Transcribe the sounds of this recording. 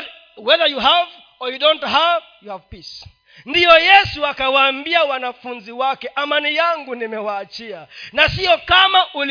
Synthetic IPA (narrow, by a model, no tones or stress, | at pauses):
wɛðəjuɦav | ɔjudɔ̃ntɦav | juhavpis | ndijɔjɛsuakawaːmbiawanafunziwakɛʔamanijaŋɡunimɛwaːt͡ʃianasiɔkamaʔul